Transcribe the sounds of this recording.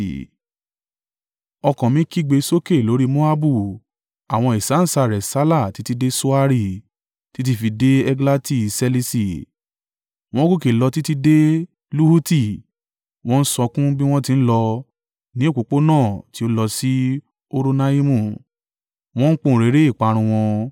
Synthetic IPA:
ɔ˧kɔ̃˨mĩ˨˦ki˦ɡ͡be˧˦so˦ke˦˨lo˨˦ɾi˦mo˦a˦bu˦˨ | a˨w̃ɔ̃˧i˨sa˨˦n̩˨sa˧˨ɾɛ˨sa˨˦la˦˨ti˨˦ti˧de˦so˦a˧ɾi˦˨ | ti˨˦t̬i˧fi˧de˦ɛ˦ɡla˦ti˦˨se˧li˦˧si˦˨ | w̃ɔ̃˦ɡu˦ke˨lɔ˧ti˦ti˧de˦ | lu˦hu˦ti˦˨ | w̃ɔ̃˦n̩˦sɔ˧kũ˦bi˦w̃ɔ̃˦tĩ˧n̩˦lɔ˧ | nĩ˦o˦˨ko˨k͡po˦nãː˦˨ti˨˦o˦lɔ˧si˦ | o˧ɾo˧na˦i˦mũ˦˨ | w̃ɔ̃˦n̩˦k͡pũ˦˨ɾe˨˦ɾe˦i˦˨k͡pa˨˧ɾ̃ũ˧w̃ɔ̃˧

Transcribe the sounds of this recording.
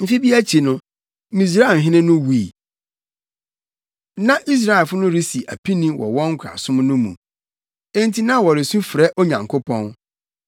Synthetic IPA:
m̩˦fi˦bi˦æ˦t͡ɕʰi˨nʊ̃˦ | mĩ˨s̬ɾa˦˨ɦɪ̃˦nɪ̃˦nʊ̃˦wu˦i˨ | nã˦ʔi˦s̬ɾa˦ɛ˨fʊ˦nʊ̃˦ɾi˦si˨ʔæ̰˨pʰĩ˦nĩ˦wɔ̰˨wɔ̃˦ŋ̩˦kʷʰa̰˨sʊ̃˦mnʊ̃˦mṵ̃˨ | ẽ˦ntʰi˦nã˦wɔ˨ɾɪ˨sũ˦fɾɛ˦ʔo˦ɲã˨ŋkʰʊ˦pʰɔ̃˦n

